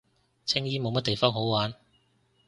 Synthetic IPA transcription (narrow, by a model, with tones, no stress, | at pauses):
t͡sʰɪ˥ŋjiː˥mo˨˧wmɐ˥t̚t̪e˨jfɔː˥ŋɦo˨˥wwaː˨˥n